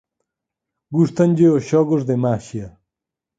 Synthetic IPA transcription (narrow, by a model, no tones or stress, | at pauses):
ɡuʂt̪ɐnʲd͡ʑeoɕoɡuʐd̪emaːɕijɐ